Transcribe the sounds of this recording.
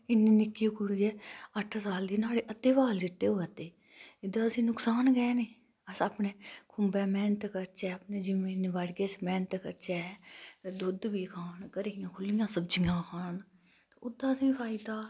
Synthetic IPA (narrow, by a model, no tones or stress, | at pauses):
ɪnːiːnɪkːiːkʰʊɽiːɛːəʈʰsaːld̪iːnaːɽeːʔət̪ːeːʋaːld͡ʒɪt̪ːeːɦoːət̪eː | ɪd̪ãːəsĩːnʊksaːnɡɛːneː | əsaːpneːkʰʊmbɛːmɛːnt̪kəɾt͡ʃɛːapneːd͡ʒɪmẽːnɪʋaɽɡeːsmɛ̃ːnt̪kəɾt͡ʃɛːt̪ed̪ʊd̪biːkʰaːnkəɾijãːkʰʊlːɪjãːsəbd͡ʒijãːkʰaːɳ | t̪eːʊd̪ãːəsĩːpʰaːɪd̪aː